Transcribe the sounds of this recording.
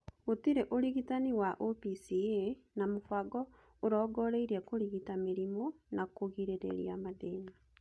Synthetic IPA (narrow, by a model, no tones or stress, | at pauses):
otiɾeʔoɾiɣitaniwaʔopisienamofaɡɔ | oɾɔːɡɔɾeiɾiakoɾiɣitameɾimonakoɣiɾeɾḛɾḭa̰maðeːni